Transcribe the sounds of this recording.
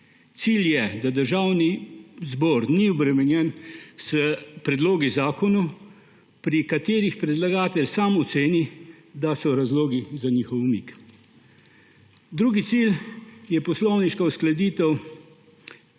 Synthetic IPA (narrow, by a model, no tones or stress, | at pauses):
t̪siːljɛd̪ad̪əɾʒaːwnizbɔːɾniɔbɾɛmɛnjɛnsəpɾɛd̪loːɡizaːkɔnu | pɾikat̪eːɾixpɾɛd̪laɡaːt̪ɛlsaːmɔt̪seːni | d̪asɔɾazloːɡizanixɔwmik | d̪ɾuːɡit̪siljɛpɔslɔwniʃkausklad̪iːt̪ɛw